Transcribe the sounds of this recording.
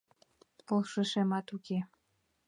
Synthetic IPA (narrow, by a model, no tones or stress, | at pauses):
polˠʃə̆ʃemɑt̪uke